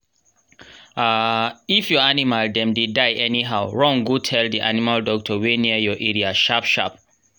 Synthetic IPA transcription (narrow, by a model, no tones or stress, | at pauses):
aifjɔanimaldɛ̃mdedaɪʔɛniɦaʊɹɔ̃ŋɡutʰɛldiʔa̰nimaldɔk̚tʰɔweniəjɔʔɛɹiaʃapʃa̰p̚